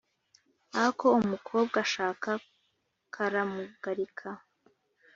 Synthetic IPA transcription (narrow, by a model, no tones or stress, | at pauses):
aakʰo̞umukʰo̞ːbɡaʃaːka | kʰaɾamuɡ̥aɾikʰa